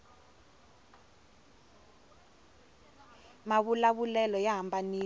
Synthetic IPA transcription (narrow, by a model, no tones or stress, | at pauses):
maβulaβulɛlɔjaɦambaniː